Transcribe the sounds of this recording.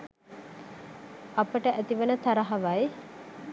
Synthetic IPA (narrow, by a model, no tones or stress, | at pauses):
ɐpəʈəʔæt̪iʋənət̪ʰaɾaɦaʋaj